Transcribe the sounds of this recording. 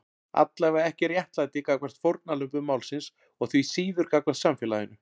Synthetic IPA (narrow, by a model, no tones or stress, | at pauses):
a̰t̪lajvaɛhcɪrjɛht̪lajt̪ɪkakvɛr̥t̪fowɾt̪̚nalʏmpʏmawlsɪns | ɔɣθɥisiːðʏɾkakvɛɾ̥t̪samfjɛːlajɪnʏ